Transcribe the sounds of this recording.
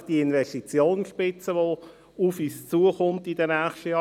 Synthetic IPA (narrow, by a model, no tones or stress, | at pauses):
d̥iɪnvɛʃtit͡sjoːnsʃpɪt͡səʋo | ufyːst͡suːəχʊmtidənɛːχʃtəjɑ